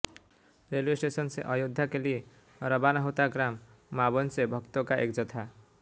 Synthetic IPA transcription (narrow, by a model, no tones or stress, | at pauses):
reljesʈesʌnseʔʌjod̪ʱːakeli | ɾʌbanʌɦot̪aɡɾamː | abʌnsebʱʌkt̪okaʔek̚d͡zʌt̪ʰa